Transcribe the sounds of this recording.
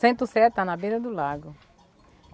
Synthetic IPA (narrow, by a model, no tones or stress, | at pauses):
sẽnt̪ʊsɛt̪ɐnɐbeɾɐd̪ʊlaɡʊ